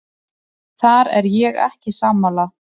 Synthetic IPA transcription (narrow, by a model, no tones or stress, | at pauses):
θaɾɛ̰ɾjɛɣɛ̰hcɪsaːmala